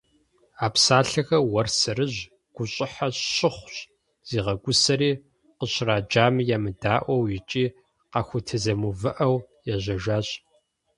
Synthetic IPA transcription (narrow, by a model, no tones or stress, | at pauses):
aːpsaːɬɐxɐwɐrsɨɾɨʑ | ɡ̥ʷʊɕʼɪħaɕɕɪχʷɕ | z̥iːʁɐɡʷʊsɐɾiː | qəɕraːd͡ʒaːmjaːmɨdaːʔʷɐwjɪt͡ʃʼiː | qɑxʷʊtʰɨzɐmuvɨʔɐwjɛʑʷɐʒaːɕ